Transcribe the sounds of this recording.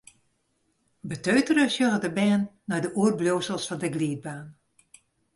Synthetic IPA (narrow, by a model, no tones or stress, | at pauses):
bətøːtərəsjɔɣədəbɛːnːajdəʔuərbloːsəlˠsfɔndəɡliːd̚baːn